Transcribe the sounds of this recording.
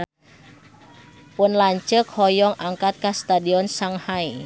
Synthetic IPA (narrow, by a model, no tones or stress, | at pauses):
pʊnlaɲt͡ʃəkhɔjɔŋʔaŋkat̪̚kast̪adiɔnsaŋhai